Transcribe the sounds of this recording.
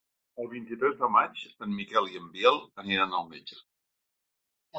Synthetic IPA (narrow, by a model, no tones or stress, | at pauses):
əlˠβint̪it̪ɾɛzðəmat͡ʃsənmikɛlˠiəmbiɛlˠəniɾanəlˠmed͡ʒə